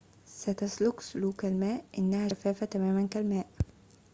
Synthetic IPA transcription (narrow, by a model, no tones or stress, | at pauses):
sæt̪aslʊksʊluːkalmæːʔʔɪnːæhæːfæːfat̪æmæːmænkælmæːʔ